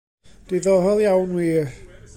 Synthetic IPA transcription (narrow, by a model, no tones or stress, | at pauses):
d̥iðɔɦɔlˠjawnwi